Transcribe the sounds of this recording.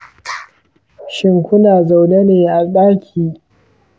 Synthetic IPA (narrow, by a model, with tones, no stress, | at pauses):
ʃɪ˦ŋkʷʊ˦naː˨za˨wne˦neː˨ʔa˨ɗaː˦kʲʰiː˨